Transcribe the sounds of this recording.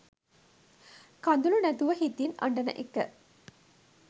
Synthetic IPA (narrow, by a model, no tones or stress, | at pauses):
kand̪ulunæt̪uʋɐɦit̪ina̰ɳɖɐnɐ̰ʔekːə